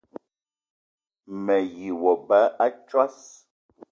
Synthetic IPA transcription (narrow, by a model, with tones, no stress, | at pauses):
mɛ˨ji˨wɔ˨ba˨˦a˦t͡ʃwa˦s